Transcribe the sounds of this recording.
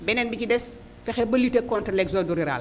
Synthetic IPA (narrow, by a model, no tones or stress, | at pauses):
bɛnɛnbicidɛs | fɛxɛbɐlitekɔntɾlɛkzoduɾiɾa̰ːl